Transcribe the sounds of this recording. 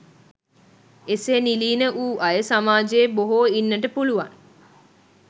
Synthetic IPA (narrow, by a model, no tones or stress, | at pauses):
eseːniliːnəʔuːʔɐjəsamaːd͡ʒeːboɦoːinːəʈəpuluʋa̰ŋ